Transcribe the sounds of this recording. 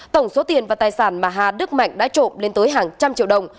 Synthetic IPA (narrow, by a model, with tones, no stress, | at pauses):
t̪ə˧˩wŋ͡mso˨˦t̪i˨˩ənvaː˨˩t̪aː˨˩jsaː˧˩nmaː˨˩ɦaː˧˩ɗɨ˦˥k̚ma̰˧˨jŋ̟ɗa̰ː˧˥t͡ɕo̰˧˨mle˧nt̪əː˨˦jɦaː˨˩ŋt͡ɕa˧mt͡ɕḭ˧˨əwɗə˨˩wŋ͡m